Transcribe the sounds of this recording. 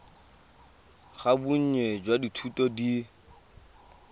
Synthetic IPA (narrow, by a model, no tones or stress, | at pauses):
χabuɲ̩ɲwɛd͡ʒwaditʰutʼɔdi